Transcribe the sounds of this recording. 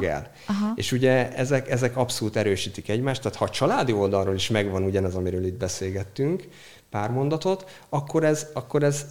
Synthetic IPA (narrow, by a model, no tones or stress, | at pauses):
ɛ̰l | ɦḛːʃuɟɛɛzɛkɛzɛkɒpsoluːt̪ɛɾøːʃiːt̪ikɛɟmaːʃt̪ːaːt̪hɒt͡ʃɒlaːd̪io̞ld̪ɒlroːliʃmɛɡvɒnuɟɒnɛzɒmiɾøːlid̪̚bɛseːlɡɛt̪ːyŋk | paːrmo̞nd̪ɒt̪o̞t̪ | ɒkːo̞ɾɛzɒkːo̞ɾɛz